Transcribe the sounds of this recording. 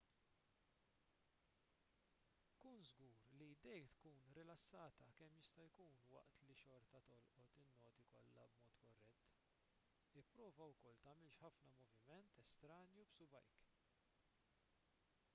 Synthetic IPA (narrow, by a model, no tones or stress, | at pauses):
kuːnzɡuːɾlid̪ɛjt̪kuːnɾɪlɐsːɐːt̪ɐkɛmːjɪst̪ɐjkuːnwɐ̰ʔt̪liʃɔɾt̪ɐt̪ɔlʔɔt̪ɪnːɔːt̪ikɔlːɐ̰bmɔːt̪kɔrːɛt̪ː | ɪpːɾɔːvɐwkɔlt̪ɐːmɪlʃħɐfnɐmɔvɪmɛnt̪ɛst̪ɾɐːnjubsʊbɐ̰jk